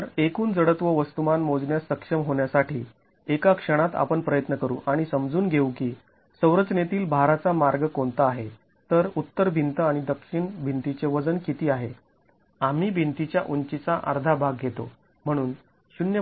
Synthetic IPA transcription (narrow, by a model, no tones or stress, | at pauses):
əɾekuːnd͡zəɽət̪ʋəʋəst̪umanmod͡zɳjasəkʂəmɦoɳjasaʈiː | ekakʂəɽ̃at̪a̰pəɳpɾəjət̪nəkəɾṵːʔaɽ̃isəmd͡zuːnɡʱeukiː | səwɾəd͡znet̪iːlbʱaɾat͡samaɾɡəkoɳt̪aːɦe | t̪əɾut̪ːəɾbʱint̪əaɽ̃id̪əkʂiɳbʱint̪it͡ɕeʋəd͡zənkit̪iːaɦe | am̤iːbʱint̪it͡ɕjaʔuɲt͡ɕit͡saʔə̰ɾd̪ʱabʱaɡ̚ɡʱet̪o̰ | m̤əɽ̃uːn | ɕunjə